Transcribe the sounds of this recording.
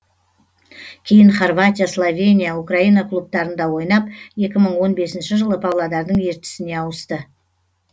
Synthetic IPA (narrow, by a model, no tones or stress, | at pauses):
kʲʰe̞jɪɴχorvat̪ʲijaslˠovʲe̞nʲijaukraijnɑkʰlˠup̚t̪ɑɾənd̪ɑwo̞jnɑp̚je̞kʲɪməɴwo̞nbe̞sɪnʃɪʒəlˠəpʰawlˠɑd̪ɑɾd̪əɴe̞ɾt̪ɪ̥sɪne̞ɑwəst̪ə